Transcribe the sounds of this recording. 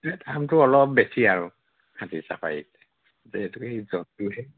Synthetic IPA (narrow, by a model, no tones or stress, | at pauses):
ɛtamtʊɔlɔp̚besiaɹʊ | kʰatisa̰pa̰jḭtɛ | zɛɛtʊxejzɔntʊɦɛ